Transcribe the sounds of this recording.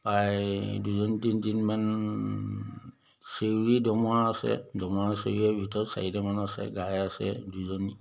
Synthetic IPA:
pajduzɔntintinman | sewɹidɔmɔaasɛ̰dɔmɔaseɛbʱitɔsa̰idɛmanasɛ̰ɡajasɛ̰duzɔni

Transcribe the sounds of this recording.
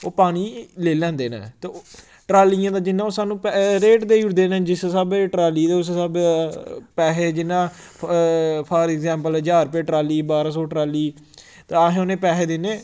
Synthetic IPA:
oːpaːniːleːlɛ̃ːnd̪eːnã̰ːt̪eː | ʈɾaːlijãːd̪aːd͡ʒɪnãːoːsaːnũːpɾeːʈd̪eːʊɾd̪eːnãːd͡ʒɪssabʈɾaːliːt̪eːʊs̬səb | pɛːɦeːd͡ʒɪnːãː | pʰaːɾɛɡzɛ̃ːmpəld͡ʒaːɾpeːʈɾaːliːbaːɾãːsɔːʈɾaːliː | t̪eaɦẽːoːnẽːpɛːɦeːd̪ɪnẽː

